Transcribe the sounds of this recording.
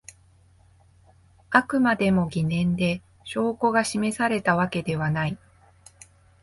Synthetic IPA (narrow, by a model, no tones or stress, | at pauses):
akɯ̟mad̪e̞mo̞ɡʲinẽ̞nd̪e̞ | ɕo̞ːko̞ɡaɕime̞saɾe̞t̪aβake̞d̪e̞β̞anai